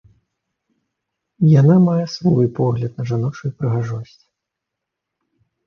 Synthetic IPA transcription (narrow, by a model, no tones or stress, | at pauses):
janamajɛsvɔjpɔɣlʲɐt̪nɐʐanɔt͡ʂujpɾɨɣaʐɔsʲt͡sʲ